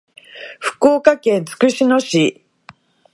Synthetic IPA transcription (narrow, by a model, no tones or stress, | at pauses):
ɸɯ̟̥koːkakẽt͡sɨ̥kɯ̟ɕinoɕi